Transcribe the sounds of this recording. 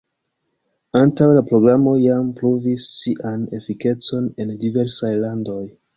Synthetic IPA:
antawlapɾo̞ɡɾamo̞jampɾovisːiʔane̞fike̞t͡so̞ne̞ndive̞ɾsajlando̞j

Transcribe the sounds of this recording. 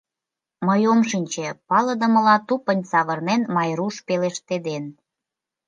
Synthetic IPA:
məjomʃənʲt͡ɕepɑlə̆d̪ə̆mə̆lɑt̪upənʲsɑβərnenmɑjɾuʃpeleʃt̪ed̪en

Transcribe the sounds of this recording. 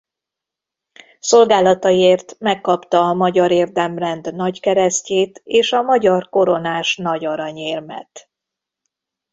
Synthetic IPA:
so̞lɡaːlɒt̪ɒeːrt̪mɛkːɒpt̪ɒːmɒɟɒɾeːrd̪ɛmrɛnd̪nɒckɛɾɛsceːt̪eːʃɒmɒɟɒrko̞ɾo̞naːʃnɒɟɒɾɒɲeːrmɛ̰t̪

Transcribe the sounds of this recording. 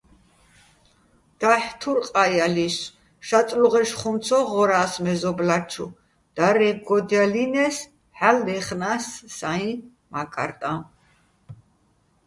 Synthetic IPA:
d̪̥aħt̪ʰuɾqʼajalis | ʃat̪ʼluʁɛʃχumt̪t͡sʰɔʁɔɾaːsmɛzɔblat͡ʃʰṵ | d̪̥aɾɛɡɔd̪jalinɛs | ħalːɛχnasːaĩ | makʼa̰ɾt̪ʼã

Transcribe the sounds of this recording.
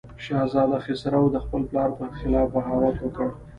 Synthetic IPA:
ʃɑzɑd̪axɪsaɾawd̪əxpəlplɑɾp̪əxɪlɑfbaɦɑwat̪wəkəɽ

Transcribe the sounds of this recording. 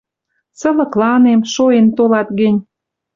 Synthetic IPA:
sə̆lɤ̆klɑnemʃoent̪olɑt̪ɡə̆nʲ

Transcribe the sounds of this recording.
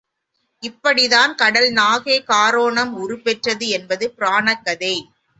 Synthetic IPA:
ɪpːɐɽɪðaːnkɐɽɐlnaːɣeːkaːɾoːɳɐmʊɾɯpɛʈrɐðɯɛnbɐðɯpɪɾaːɳɐkːɐðeː

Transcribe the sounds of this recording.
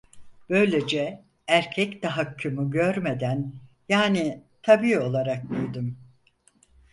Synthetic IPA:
b̥ø̞jlʲe̞d͡ʒɛ | æɾcʰɛct̪aɦacʰːumuɟøɾme̞d̪æn | jaːnit̪ʰabiːo̞lˠaɾak̚d̪yjd̪ym

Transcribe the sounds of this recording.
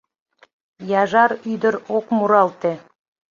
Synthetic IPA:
jɑʒɑɾyjd̪əɾokmuɾɑlˠt̪e

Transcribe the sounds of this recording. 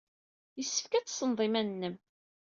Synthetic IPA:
jəsːə̥fkæt͡sːsənðˤimænnːəm

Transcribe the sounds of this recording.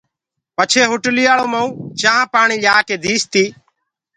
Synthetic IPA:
pət͡ʃʰeːɦʊʈliːaːɭoːməũːt͡ʃãːpaːɳiːlaːkeːd̪ʱiːst̪iː

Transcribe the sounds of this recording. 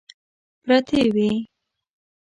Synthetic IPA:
pɾat̪ewi

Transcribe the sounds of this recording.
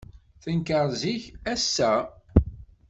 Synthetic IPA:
θənkəɾˤziçæsːæ

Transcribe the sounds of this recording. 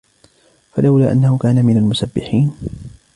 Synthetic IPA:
falawlaːʔanːahʊkaːnamɪnalmʊsabːɪħiːn

